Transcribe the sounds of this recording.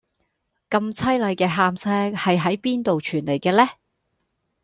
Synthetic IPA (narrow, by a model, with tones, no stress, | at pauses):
kɐ˧mt͡sʰɐ˥jlɐ˨˧jkɛː˧ɦaː˧msɛː˥hɐ˨jɦɐ˨˥jpiː˥nt̪o˨wt͡ʃʰyː˨˩nle˨˩jkɛː˧lɛː˥